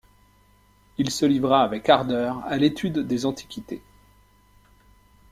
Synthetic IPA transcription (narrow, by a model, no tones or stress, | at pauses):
ilsəlivʁaːvɛkaʁd̪œʁalet̪ʰyd̪ːezɑ̃t̪ʰi̥kʲit̪ḛ